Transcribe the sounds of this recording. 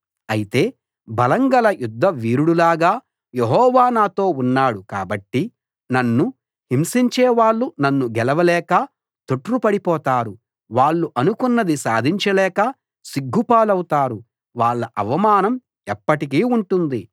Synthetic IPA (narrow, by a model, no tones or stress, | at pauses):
ɐjit̪e̞ː | bɐlɐŋɡɐlɐjud̪ʱːɐʋiːɾuɽulaːɡaː | jeɦɔːʋaːnaːt̪o̞ːunːaːɽuka̰ːbɐʈːi | nɐnːu | himsiɲt͡ʃeːʋaːɭːunɐnːuɡɛlɐʋɐlɛːkɐ | t̪uʈɾupɐɽipɔːt̪aːɾu | ʋaːɭːuʔɐnukunːɐd̪isaːd̪ʱiɲt͡ʃɐlɛːkɐ | siɡʱːupaːlɐwut̪aːɾu | ʋaːɭːɐʔɐ̰ʋɐmaːnɐm | ɛpːɐʈik̬iːuɳʈund̪i